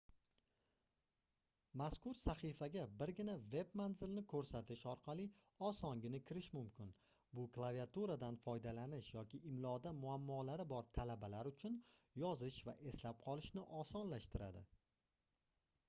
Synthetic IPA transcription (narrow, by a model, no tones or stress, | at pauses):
maskʊɾsaχifaɡʲabɪɾɡʲɪnave̞bmanzɪlnɪkʰɵɾsat̪ʰɪʃɒɾqʰɑlˠi | ɒsɒŋɡʲɪnɪkʲʰɪɾɪʃmʊmkʰʲɪn | bʊklˠaviat̪uɾad̪anfɒjd̪alanɪʃjɒkʲʰɪʔɪmlˠɒd̪amʊamːɒlaɾɪbɒɾt̪ʰalabalaɾʊt͡ʃʰʊnjɒzɪʃva̰ʔe̞slap̚qʰɒlˠɪʃnɪʔɒsɒnlaʃt̪ɪɾa̰d̪ɪ̰